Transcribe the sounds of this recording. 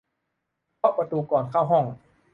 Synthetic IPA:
pʰɔ˦˥ʔpa˧t̪uː˧kɔː˨˩nkʰa˥˩wɦɔ˥˩ŋ

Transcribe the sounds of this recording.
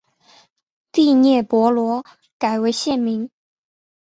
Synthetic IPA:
t̪i˥˧njɛ˥˩pwɔ˧˥lwɔ˧˥ | ka˨˩ɪwe˧˥ɪɕjɛ˥˩nmi˧˥ŋ

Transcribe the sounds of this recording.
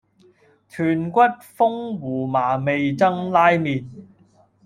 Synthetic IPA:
t̪ʰyː˨˩nkʷɐ˥t̚fʊ˥ŋwuː˨˩maː˨˩me˨jt͡sɐ˥ŋlaː˥jmiː˨t̚

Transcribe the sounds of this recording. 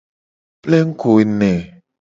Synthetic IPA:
ple˦ŋ̩˦kʰu˨i˨˧ne˨

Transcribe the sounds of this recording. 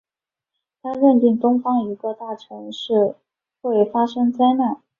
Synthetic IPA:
t̪ʰa˥ɻə˥˧nt̪i˥˩ŋt̪ʊ˥ŋfɑ˥ŋi˧˥kɤ˥˧t̪a˥˩ʈ͡ʂʰɤ˧˥ŋʂɻ̩˥˧ | xwe˥˩ɪfa˥ʂɤ˥ŋt͡sa˥ɪna˥˩n

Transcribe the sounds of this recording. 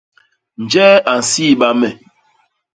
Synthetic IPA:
n̩˨d͡ʒɛ˦a˨n̩˨si˦˨ɓa˦mɛ˨

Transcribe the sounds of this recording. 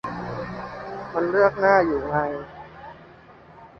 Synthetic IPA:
ma˧nlɯ˥˩ək̚naː˥˩juː˨˩ha˧j

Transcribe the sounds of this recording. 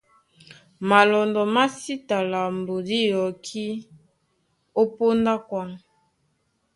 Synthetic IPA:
ma˨lɔ˨ndɔ˨ma˦si˦ta˨la˨mbo˨di˦jɔ˨kʰi˦ | o˦po˦nda˦kwa˦

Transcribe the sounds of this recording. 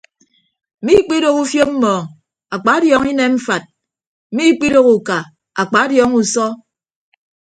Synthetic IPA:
mi˦k͡pi˦ɾo˦ku˦fjo˦m̩˦mɔː˨ŋ | a˨k͡pa˨˦djɔ˨˦ŋi˦ne˨m̩˦fa˨t̚ | m̩˨mi˦k͡pi˦ɾo˦ku˨ka˨ | a˨k͡pa˨˦djɔ˦ŋu˨sɔ˦

